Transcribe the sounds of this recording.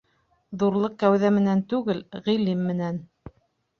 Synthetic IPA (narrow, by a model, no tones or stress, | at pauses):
ðuɾlˠɤq̚kæwðæmɘ̆nænt̪ʉɡɘlʁĭlimːɘ̆næn